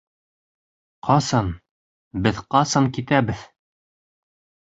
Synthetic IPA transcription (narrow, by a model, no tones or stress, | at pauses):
qʰɑsɑn | bɘðqɑsɑŋkit̪æbɘð